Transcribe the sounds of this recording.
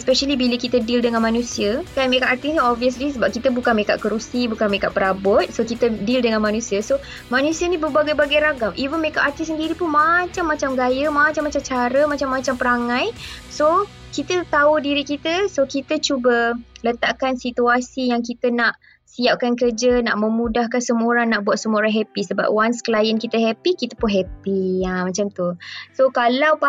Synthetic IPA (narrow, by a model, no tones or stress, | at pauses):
ɛspɛʃəlibiləkit̪ədildəŋanmãnũsiəkanmekaʔart̪isniɔviəs̬lisəbap̚kit̪əbukanmeka̰ʔkəɾusibukanmeka̰ʔpəɾabɔt̪̚sokit̪ədildəŋanmanũsiəso | manũsiənĩbəbaɡajbaɡajɾaɡamʔivənmekaʔart̪issəndiɾipunmat͡ʃamːat͡ʃamɡajəmat͡ʃamːat͡ʃamt͡ʃaɾəmat͡ʃamːat͡ʃampəɾaŋãjso | kit̪ət̪audiɾikit̪əsokit̪ət͡ʃubələt̪aʔkansit̪uasijaŋkit̪ənaʔ | siap̚kankərd͡ʒənaʔmə̃mũdahkansəmoɾaŋnaʔbuat̪̚səmoɾaŋɦɛpisəba̰p̚wansklajənkit̪əɦɛpikit̪əpʊnɦɛpiamat͡ʃamt̪usokalawpa